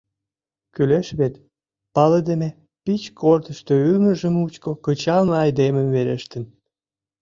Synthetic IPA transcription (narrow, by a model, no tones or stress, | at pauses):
kyleʃβet̪ | pɑləd̪eme | pit͡ɕkʰort̪əʃt̪øylməʒəmut͡ɕkokət͡ɕɑlnəɑjd̪eməmveɾeʃt̪ə̆n